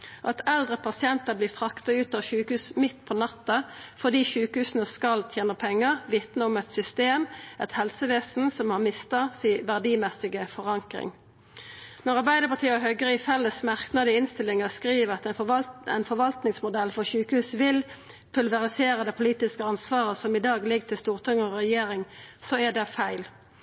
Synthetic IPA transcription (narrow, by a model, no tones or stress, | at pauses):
ʔɑt̪ʰɛld̪ʁəpʰɑsɪɛnt̪əʁbliːfʁɑkt̪ɑʉːt̪ɑːʋʃʉːkʉːsmɪt̪ːpʰɔnɑt̪ːɑfɔd̪iːʃʉːkəhʉːsnəskɑlt̪ʰjeːnəpʰɛŋːəʁʋɪt̪nəɔmɛt̪sʏst̪eːmʔɛt̪hɛlsəʋeːsn̩sɔmhɑʁmɪst̪ɑsiːʋæʁd̪iːmɛsɪɡəfɔʁɑŋkʁɪ̰ŋ | nɔʁɑʁbæɪd̪əʁpɑʁt̪iːəɔɦœɡəʁɪfɛlːəsmæʁknɑd̪ɪɪnst̪ɪlːɪŋəskʁiːʋəʁɑt̪ɛ̰ɪnfɔʁʋɑlt̪nɪŋsmʊd̪ɛlːfɔʁçʉːkəhʉːsʋɪl | pʰʉlʋɛʁɪseːɾəd̪ɛpʰʊliːt̪ɪskəɑnsʋɑːʁəsɔmɪd̪ɑːɡlɪɡt̪ʰɪlst̪uːʁt̪ʰɪŋəɔʁɛjeːɾɪŋsɔæd̪ɛfæɪl